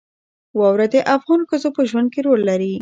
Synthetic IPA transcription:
wɑwɾad̪eʔafɣɑnxəzopəʒwand̪̚keɾolːaɾi

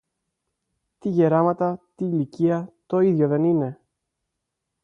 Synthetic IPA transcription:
t̪iʝeɾɐmɐt̪ɐt̪iːliciɐt̪o̞iðʝo̞ðe̞nine̞

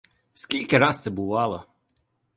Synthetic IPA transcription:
skʲilʲkʲɪɾɑst̪sɛbʊʋɑlˠɔ

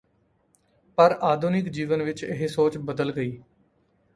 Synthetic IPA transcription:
pəɾʔaːd̪ʱuːnɪkd͡ʒiːʋənʋɪt͡ʃɪ̰ɦesoːt͡ʃbəd̪əlɡəiː

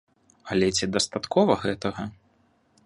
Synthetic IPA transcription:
ɐlʲɛt͡sʲid̪ɐst̪at̪kʰɔvɐɣɛt̪ɐɣɐ

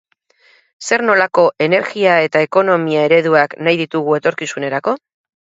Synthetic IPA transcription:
se̞ɾno̞lako̞ʔe̞ne̞ɾɣiae̞t̪ae̞ko̞no̞miae̞ɾe̞ð̞uaknajðit̪uɣ̞ue̞t̪o̞ɾkisune̞ɾako̞

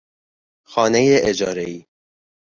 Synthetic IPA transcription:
xɒːnejeʔed͡ʒɒːɾeiː

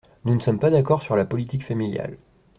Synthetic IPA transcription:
nunəsɔmpad̪akɔʁsyʁlapɔlit̪ikfamilja̰l

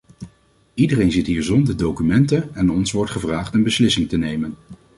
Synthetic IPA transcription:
idərejnzɪtɦiːɹzɔndəɹdowkymɛntənɛnɔnsʋɔɹtχəvraːχtənbəslɪsɪŋtənejmən

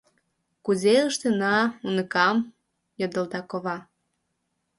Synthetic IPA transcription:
kuzeəʃt̪enɑunəkɑm | jod̪ə̆ld̪ɑkoβɑ

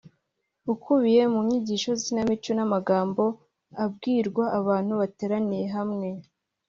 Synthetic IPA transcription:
ukuβije̞muɲiɟiːʃo̞zinamit͡ʃonamaɡaːmbo̞ | ab̚ɡiːɾɡwaʔaβaːn̥huβateːɾanije̞ɦamŋe̞

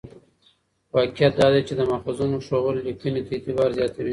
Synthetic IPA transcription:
wɑkijat̪̚d̪ɑd̪et͡ʃed̪əmafazunoʃoɣəɾlikənit̪aet̪ɪbɑɾzjɑt̪awi

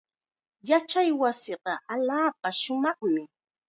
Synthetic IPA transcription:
jat͡ʃajwasɪɢɑʔaʎaːp̚aʃʊmɑχmɪ

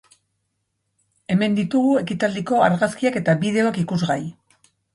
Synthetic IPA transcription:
e̞me̞nd̪it̪uɣue̞kit̪ald̪iko̞a̰ɾɣaskiake̞t̪aβið̞e̞oakikuzɣaj

